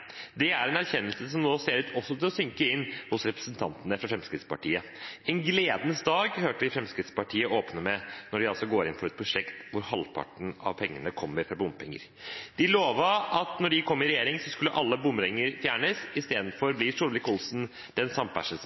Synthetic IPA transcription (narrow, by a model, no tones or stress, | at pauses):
d̪ɛæɾɛnæɾçɛnːəlsəsɔmnoːseːɾʉːt̪ʰɔsːɔt̪ʰɪlɔsʏŋkəɪnːhʊsɾɛpɾə̥snt̪ʰɑnt̪ənəfɾɑfɾɛmskɾɪt̪spɑʈʰiːə | ɛnɡleːd̪nəsd̪ɑːɡhøːʈəʋɪfɾɛmskɾɪt̪spɑʈʰiːəoːpnəmɛnɔɖɪɑlsɔɡoːɾɪnfɔɾɛt̪̚pʰɾʊʂɛkt̪ʋʊɾhɑlpʰɑ̰ʈɳ̩ɑ̰ʋpʰɛŋːənəkʰɔmːəɾfɾɑbʊmːpʰɛ̰ŋːə̰ɾ | d̪̥ɪloːʋəʔɑt̪nɔɖɪkʰɔmːɪɾɛjeːɾɪŋsɔskʉlːəʔɑlːəbʊmːɾɛŋːəɾfjæːɳəsɪst̪eːd̪n̩fɔɾblɪʂuːɾʋɪkʊlsn̩ | d̪̥ɛnsɑmpʰæ̰ʂs